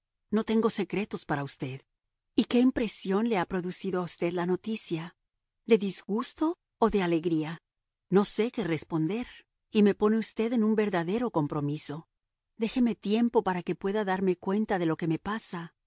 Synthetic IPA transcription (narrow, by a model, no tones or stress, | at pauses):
no̞t̪e̞ŋɡo̞se̞kɾe̞t̪o̞spaɾaust̪e̞ð | ike̞impɾe̞sjo̞nle̞apɾo̞ðusiðoaust̪e̞ðlano̞t̪isja | d̪e̞ðizɣust̪o̞ː | ðe̞ale̞ɣɾia | no̞se̞ke̞re̞spo̞nd̪e̞ɾ | ime̞po̞ne̞ust̪e̞ðe̞nũmbe̞ɾðaðe̞ɾo̞ko̞mpɾo̞miso̞ | d̪e̞xe̞met̪je̞mpo̞paɾake̞pwe̞ðaðaɾme̞kwe̞nt̪aðe̞lo̞ke̞me̞pasa